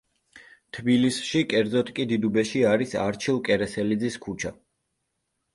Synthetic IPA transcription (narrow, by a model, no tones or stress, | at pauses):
t̪ʰbilisʃikʼɛɾd̪zɔt̪ʰkʼid̪id̪ubɛʃiaɾisaɾt͡ʃʰilˠkʼɛɾɛsɛlid̪ziskʰut͡ʃʰa